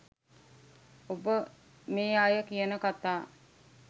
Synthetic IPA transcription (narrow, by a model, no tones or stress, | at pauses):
obə | meːaːjəkijənəkat̪aː